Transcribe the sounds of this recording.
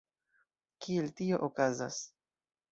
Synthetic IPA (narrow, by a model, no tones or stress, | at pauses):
kieltio̞ʔokaza̰s